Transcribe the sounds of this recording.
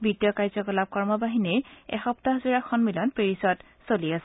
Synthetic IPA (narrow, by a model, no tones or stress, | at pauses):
bitijɔkaɹzɔkɔlab̚kɔɹmɔbaɦinejɛ̰xɔptaɦzuɹakʰɔnmilɔnpeɹisɔd | soliasɛ